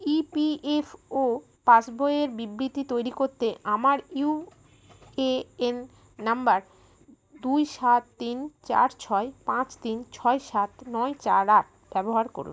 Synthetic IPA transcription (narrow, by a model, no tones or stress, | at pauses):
ipiefo | pasbʱoeeɾbibɾit̪it̪ojɾikoɾt̪eʔamaɾu | eenː | ambaɾ | d̪ujʃat̪ːint͡ɕa̰ɾt͡ɕʰɔepãt͡ɕt̪int͡ɕʰɔeʃat̪nɔet͡ɕa̰ɾaɾ | b̥ɛboɦaɾko̰ɾṵn